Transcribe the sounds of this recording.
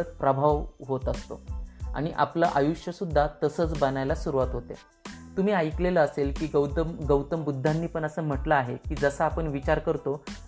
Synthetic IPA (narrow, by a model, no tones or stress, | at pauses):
ət̪̚pɾəbʱaʋɦot̪əst̪o̰a̰ɽ̃iʔa̰pləʔajuɕjəsud̪ʱːat̪əsəːt͡sbənajlasuɾuʋat̪ɦot̪ḛ | t̪um̤iːajkleləːselkiːəəɡəwt̪əmbud̪ʱːanːiːpəɳəsəːm̤əʈlaːɦekiːd͡zəsəapəɳʋit͡ɕaɾkəɾt̪o